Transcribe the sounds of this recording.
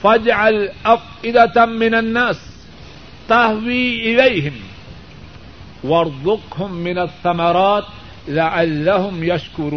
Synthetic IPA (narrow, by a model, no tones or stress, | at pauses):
fad͡ʒʕalʔafʔɪd̪amɪnanːaːs | t̪ahwiːʔɪlajhɪm | wɑɾˤd̪ˤʊqhʊmːɪnaθːamɑɾˤɑːt̪ | laʕalːahʊmjaʃkʊɾuː